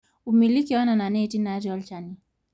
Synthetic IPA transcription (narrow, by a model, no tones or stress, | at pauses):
umilikiwanananɛtinaɾɔlt͡ʃani